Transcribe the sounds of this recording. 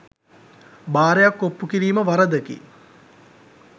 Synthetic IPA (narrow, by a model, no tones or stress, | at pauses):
baːɾejakːopːukiɾiːməʋaɾəd̪əkḭ